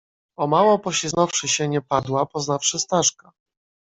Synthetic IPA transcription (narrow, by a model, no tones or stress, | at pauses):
ɔmawɔpɔɕɛznɔfʂɘɕɛɲɛpad̪wapɔznafʂɘst̪aʂka